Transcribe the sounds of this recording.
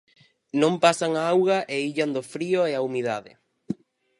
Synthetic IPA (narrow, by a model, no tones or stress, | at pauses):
nõmpasaŋaawɣɐʔeiʎand̪oʊfɾioeaumiðaðɪ̰